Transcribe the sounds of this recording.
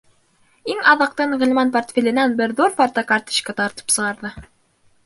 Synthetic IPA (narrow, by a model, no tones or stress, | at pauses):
iŋɑðɑq̚t̪ɤɴʁɘ̆lʲˠmɑnport̪fʲelʲɘ̆nænbɘɾðuɾfaɾt̪ɑkɑɾt̪i̥ʃkɑt̪ɑɾt̪ɤ̥psɤ̆ʁɑɾðɤ